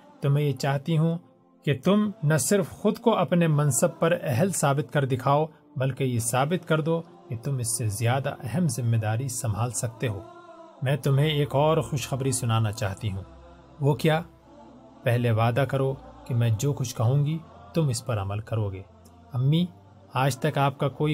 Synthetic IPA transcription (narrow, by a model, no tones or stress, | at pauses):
t̪omɛ̃ːjet͡ʃaːɦt̪iɦũ | ket̪ʊmnɐsɪɾfxʊd̪koɐpnemɐ̃nsɐb̚pɐɾɛɦlsaːbɪt̪kɐɾd̪ɪkʰaːo | bɐlkejesaːbɪt̪kɐɾd̪o | ket̪ʊmɪsːezjaːd̪a̰ʔɛɦɛmzɪmːed̪aːɾisɐmʱaːlsɐk̚t̪eɦoːmɛ̃ːt̪ʊmɦẽeːkɔːɾxʊʃxɐbɾisʊnaːnat͡ʃa̰ːɦt̪iɦũː | ʋokjaː | pɛɦleʋaːd̪akɐɾoːkemɛ̃ːd͡ʒoːkʊt͡ʃʰkɐɦũːŋɡi | t̪ʊmɪspɐɾɐməlkɐɾoːɡeː | ɐmːi | aːd͡ʒt̪ɐkaːp̚kakoːi